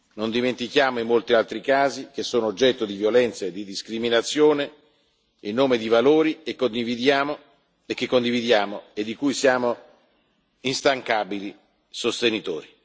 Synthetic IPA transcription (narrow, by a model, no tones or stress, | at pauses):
nond̪iment̪ik̟jaːmoimːolt̪ialt̪ɾikaːzik̟esːoːnoːd͡ʒːɛt̪ːod̪ivjolɛnt̪saed̪id̪iskɾiminat̪sːjoːne | inːoːmed̪ivaloːɾiekːond̪ivid̪jaːmo | ek̟ːekːond̪ivid̪jaːmoed̪ːikujsjaːmo | inst̪aŋkaːbili | sost̪enit̪o̰ːɾi